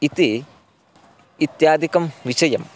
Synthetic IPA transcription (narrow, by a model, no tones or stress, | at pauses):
it̪i | t̪jaːd̪ʱikɐmʋiɕɐjɐm